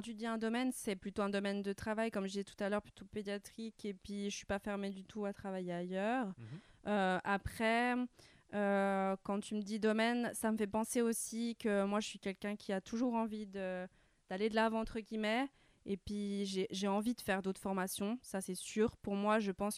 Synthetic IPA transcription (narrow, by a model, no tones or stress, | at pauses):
kɑ̃t̪yd̪iɛ̃d̪ɔmɛnsɛplyt̪oɛ̃d̪ɔmɛnd̪ət̪χavajkɔmʒəd̪izɛt̪u̥t̪alœʁply̥t̪oped̪jat̪χikepɥiʒəsɥi̥pafɛʁmed̪yt̪ʰuat̪χavajeajœːʁøʔapχɛ | økɑ̃t̪yməd̪id̪ɔmɛnsaməfɛpɑ̃seosikəmwaʒəsɥikʲɛlkʲɛ̃kʲʰiat̪ʰuʒuʁɑ̃vid̪ə | d̪̥aled̪əlavɑ̃ɑ̃t̪χəɡʲimɛ | epɥiʒeʒeɑ̃vid̪əfɛʁd̪ot̪χəfɔʁmasjɔ̃sasɛsyːʁpuʁmwaʒəpɑ̃s